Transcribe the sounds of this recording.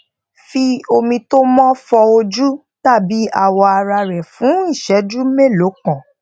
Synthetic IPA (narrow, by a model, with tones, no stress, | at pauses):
fi˧o˧mĩ˧to˦mɔ̃˦fɔ˧o˧d͡ʒu˦ | ta˦˨bi˨˦a˦˨wɔ˧a˧ɾa˧ɾɛ˨fũ˨˦i˦˨ʃɛ˨˦d͡ʒu˦me˦˨lo˨˦kã˨